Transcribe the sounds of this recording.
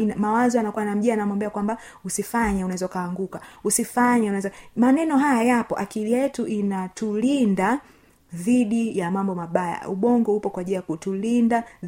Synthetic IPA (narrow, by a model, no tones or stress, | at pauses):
namawazɔanakuwanam̩ʄianamwambɛakwamba | usifaɲaunaɛzaukaːŋɡukausifaɲaunaɛzamanɛnɔɦajajapɔʔakilijɛtuʔinatulinda | ðiɗijamambɔmaɓaja̰uɓɔŋɡɔhupɔkwaʄilajakutulinda